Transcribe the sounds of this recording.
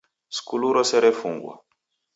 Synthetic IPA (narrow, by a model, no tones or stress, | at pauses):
skuluɾɔsɛɾefuŋɡwa̰